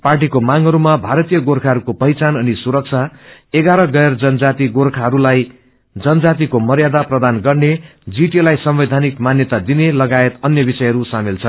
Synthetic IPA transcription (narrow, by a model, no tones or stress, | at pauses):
parʈ̬ikomaŋɦʌɾumabʱaɾʌt̪ijʌɡorkʰaɦʌɾukopʌjt͡sanʌnisuɾʌk̚t͡sʰaeɡaɾʌɡʌjʌrd͡zʌnd͡zat̪iɡorkʰaɦʌɾulaj | d͡zʌnd͡zat̪̬ikomʌrjad̪aprʌd̪anɡʌrned͡ziʈelajsʌmbed̪ʱanikmanjʌt̪ad̪inelʌɡaet̪ʌnjʌbisʌjɦʌɾusamilt͡sʰʌn